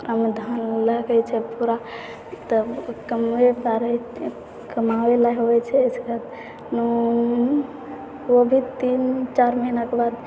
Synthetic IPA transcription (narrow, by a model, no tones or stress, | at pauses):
kɾamed̪ʱanləɡɛt͡ʃʰɛpuɾa | t̪əkəmepaɾɛ | kəmawelaɦɦoɛt͡ʃʰɛsɡat̪ | nu | obʱit̪int͡ʃaɾmənakebad̪